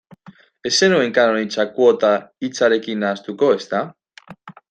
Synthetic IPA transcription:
e̞se̞nue̞ŋkanoɾajnt͡sakwot̪ait͡saɾe̞kinaːst̪uko̞e̞st̪a

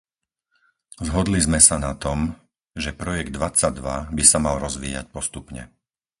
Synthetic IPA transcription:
zɦɔd̪lizmɛsanat̪ɔm | ʒɛpɾɔjɛɡd̪ʋat͡sːaɟd̪ʋa̰bisamalɾɔzʋḭːja̰c̚pɔst̪upɲɛ̰

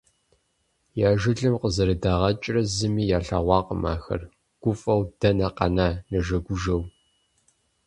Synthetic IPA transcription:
jaːʒɪɮɨmqəzɐɾɐdaːʁɐt͡ʃʼrɐzɨmiːjaːɬaːʁʷɑːqəma̰ːxɐ̰r | ɡ̥ʷʊfʼɐwd̥ɐnɐqɐ̰naːnɐʒɐɡʷʊʒɐw

